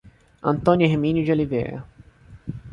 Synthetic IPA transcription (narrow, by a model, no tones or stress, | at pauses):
ɐ̰̃nt̪õnʲjueɦmĩnud͡ʒiolivḛɾɐ̰